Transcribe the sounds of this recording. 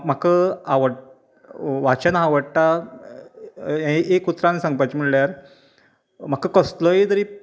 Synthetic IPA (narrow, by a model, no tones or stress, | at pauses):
m̤akəaʋəɽ | ʋat͡ɕənaʋəɽʈa | ʔekut̪ɾansə̃ŋɡpat͡ɕimiɭljaɾ | m̤akəkəsloed̪əɾi